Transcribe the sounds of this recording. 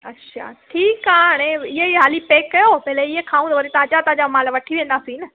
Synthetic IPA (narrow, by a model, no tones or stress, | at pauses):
ɐtːɕʰa̰ːʈʰiːkaɽ̃eɪɦeɦaːlipeːkːɐjopɐɦɪleɪɦekʰaːũd̪ɐʋɐɾit̪aːd͡ʑat̪ãːd͡ʑamãːlʋɐʈʰiʋẽːn̆d̪aːsiːnɐ